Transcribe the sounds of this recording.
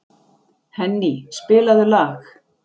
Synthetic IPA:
hɛnːispɪːlaðʏlaːx

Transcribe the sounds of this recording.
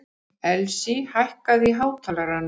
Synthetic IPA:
ɛlsihajhkaðiɦaːwt̪ʰalaɾan

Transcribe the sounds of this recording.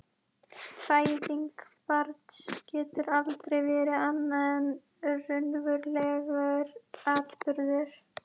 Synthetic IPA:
faːjðiŋkpaɾt̪scɛːt̪ʏɾalt̪ɾejvɛːɾɪanːaɛn | rʏnvʏɾlɛɣaɾaːt̪pʏɾðɪɾ̥

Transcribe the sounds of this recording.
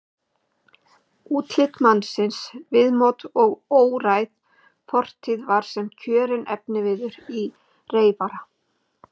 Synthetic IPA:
uːt̪lɪt̪manːsɪnsvɪðmowt̪ɔɣoːwɾajð | fʰɔr̥t̪ʰiðvaɾ̥sɛmcʰœːɾɪnɛ̰pnɪvɪðʏɾi | reːjpaɾa

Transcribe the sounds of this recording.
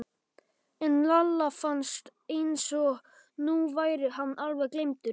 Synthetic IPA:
ɛnlalːafanst̪ejnsɔɣ | nuvaːjɾɪɦanːʔalvɛɣklejmt̪ʏɾ

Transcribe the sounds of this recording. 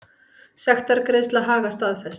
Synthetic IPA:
sɛxt̪aɾkɾɪst̪laɦaːɣast̪aðθɛs

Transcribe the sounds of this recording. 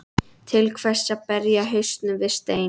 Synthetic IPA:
t̪ʰɪlkʰvɛ̥saðpɛɾjaɦœɥst̪nʏvɪðst̪eːj

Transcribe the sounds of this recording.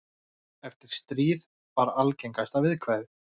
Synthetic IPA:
ɛft̪ɪɾ̥st̪ɾiːð | vaɾalcejŋkajst̪avɪðkʰvajðɪ

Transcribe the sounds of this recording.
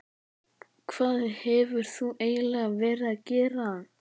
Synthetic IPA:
kʰv̥aːðɪhɛvʏɾ̥θuʔeːjlɛɣavɛːɾɪðaðcɛːɾaan

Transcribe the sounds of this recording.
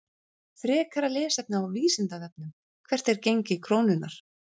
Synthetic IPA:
θɾɛːkʰaɾalɪːsɛp̚naawviːsɪnt̪aðɛp̚nʏm | kʰvɛr̥t̪ɛɾcejɲcɪkʰɾoːwnʏnaɾ̥

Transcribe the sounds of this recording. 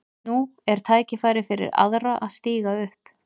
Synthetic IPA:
nuɛɾ̥t̪ʰaːjcɪfaːjɾɪfɪɾɪ̰ɾa̰ðraʔaðst̪iːɣaʏhp

